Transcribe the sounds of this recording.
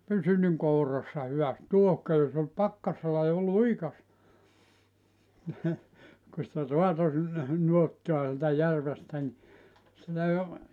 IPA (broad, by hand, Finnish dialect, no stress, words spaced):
pysy niŋ kourɑsːɑ hyʋæst tuohkøys ol pɑkːɑselːɑ jo liukɑstɑ ku sĭtæ roɑto sinːe nuotːoɑ sieltæ jærʋestæ ni sitæ jo